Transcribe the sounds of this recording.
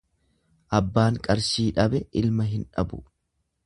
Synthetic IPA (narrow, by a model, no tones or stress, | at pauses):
ʔɐbːaːŋkʼɐɾʃiːᶑɐbɛʔɪlmɐɦɪnᶑɐ̰bʊ